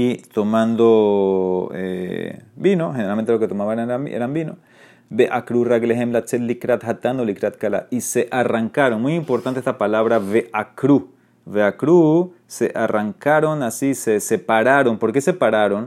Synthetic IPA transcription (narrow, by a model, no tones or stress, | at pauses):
it̪omãnd̪o | ḛ | binoxeneɾalment̪eloket̪omaβaeaeɾambino | beʔakɾuraɡleɦemblat͡ʃet̪likɾat̪xat̪and̪olikɾat̪̚kala̰iseʔaraŋkaɾonmujimpoɾt̪ant̪eest̪apalaβɾaβeʔakɾu | βeakɾu | sḛʔaraŋkaɾonasisesepaɾaɾompoɾkesepaɾaɾon